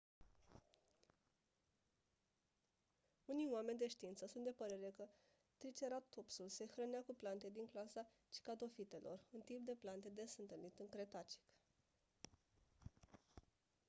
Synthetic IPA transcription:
unijwame̞nʲd̪e̞ʃt̪iint̪səsunt̪d̪epəɾe̞ɾe̞kə | t̪ɾit͡ʃe̞ɾat̪ːopsulse̞xɾəneakuplant̪e̞d̪iŋklasa | t͡ʃi̥kad̪o̞fit̪e̞lʔo̞̰rɨnt̪imp̚d̪e̞plant̪e̞d̪e̞sɨnt̪əlnit̪ɨŋkɾe̞t̪at͡ʃi̥k

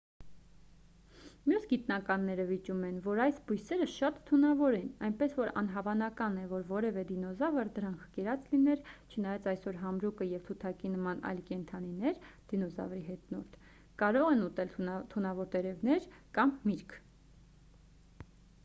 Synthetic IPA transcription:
mjusɡit̪nɑkɑnːɛɾəvit͡ʃumɛnvɔɾɑjsbujsɛɾəʃɑt̪t̪ʰːunɑvɔɾɛnɑjnpɛsvɔɾɑ̰nɦɑvɑnɑkɑnɛvɔɾvɔɾɛvɛd̪inɔzɑvəɾd̪əɾɑŋkʰkɛɾɑt͡slinɛɾt͡ʃʰənɑjɑt͡sɑjsɔɾɦɑmɾukəjɛvt̪ʰut̪ʰɑkinəmɑnɑ̰jlkɛnt̪ʰɑninɛɾd̪̥inɔzɑ̰vɾiɦɛt̪nɔɾt̪ʰ | kɑɾɔʁɛnut̪ɛlt̪ʰunɑvɔɾt̪ɛɾɛvnɛɾkɑmːiɾkʰ

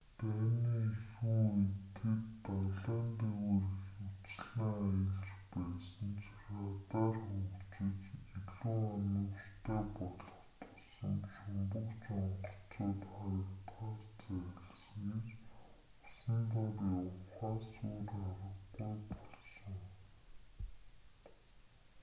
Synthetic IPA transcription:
t̪æːniːxuːet̪ʰɘ̆t̪ːaɮaːnt̪eweːrixut͡sɮnaːjə̆ɮt͡ɕpæːsə̆nt͡sarat̪aːrxukt͡ɕɪ̆t͡ɕiɮuːɔnə̆wrt̪ʰæːpɔɮɞ̆χt̪ʰʊ̥sɞ̰̆ŋʃʊmpə̆kt͡ɕŋɔɢɞ̆ɬt͡soːt̪χaɾə̆kt̪χart͡sæɣɪ̆ɮsə̆ŋet͡ɕ | ʊsə̆nt̪ɔrjawχaːsuːrχaɾə̆ɡːujpɔɮsɞ̆ŋ

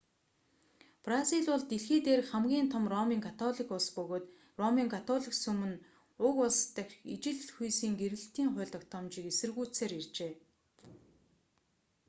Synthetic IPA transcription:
prasiɮʊɮt̪iɮxiːt̪eːrχæmɡʲiːnt̪ʰɔmrɔmiːŋkʰat̪ʰɔɮikʊɮspɵɣoːt̪ | rɔmiːŋkʰat̪ʰɔɮiksɵmɘ̆n | ʊkʊɮst̪ə̆kʲit͡ɕɪ̆ɮxujsiːŋɡeɾɘ̆ɬt̪iːŋχʊ̟ːɮt̪ɞ̆kt̪ʰɔmt͡ɕiːkesɘ̆rɣuːt͡seːɾirt͡ɕeː

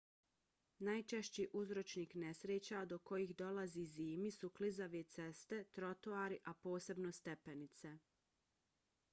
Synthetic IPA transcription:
naːjt͡ʃeʃt͡ɕiʔuzɾo̞t͡ʃniːknesɾeːt͡ɕad̪oko̞jixd̪o̞laziziːmisuklizaʋet̪sest̪e̞t̪ɾo̞t̪oaːɾiʔapo̞ːse̞bnost̪epenit̪se

